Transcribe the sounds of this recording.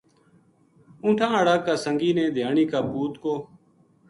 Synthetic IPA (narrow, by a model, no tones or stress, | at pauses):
ũːʈʰãːəɽaːkːaːsəŋɡiːnẽːd̪ʱjaːɳiːkaːpuːt̪koː